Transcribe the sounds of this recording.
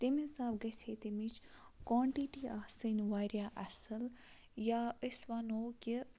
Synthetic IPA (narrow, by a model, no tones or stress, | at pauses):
t̪emĩsaːbɡɐseːt̪emit͡ʃkaːɳʈiʈiasənʋaːɾjaːʔɐsəl | jaːəsʋɐnoːkʲi